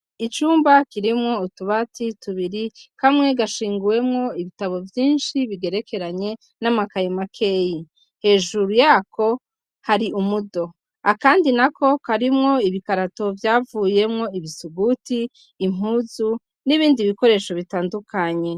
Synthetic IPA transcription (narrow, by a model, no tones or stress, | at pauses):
it͡ʃuːmbakiɾimŋo̞utuβatituβiɾikʰamŋe̞ɡaʃiːŋɡuwe̞mŋo̞iβitaβo̞vjiːnʃiβiɡe̞ɾe̞kʰe̞ɾaɲe̞ | namakajomakʰe̞ːji | he̞ːʒuɾujaːkʰo̞ | haɾiumudo̞ | akaːndinakʰo̞kaɾimŋo̞iβikaɾato̞vjaːvuːje̞mŋo̞iβisuɡutiː | m̥uːzu | niβiːndiβiko̞ɾe̞ːʃo̞βitaːndukʰaɲe̞